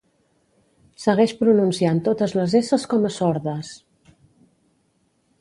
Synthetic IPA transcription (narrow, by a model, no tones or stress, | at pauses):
səɣɛʃpɾununsiant̪ot̪əzləzesəskɔməsɔɾðəs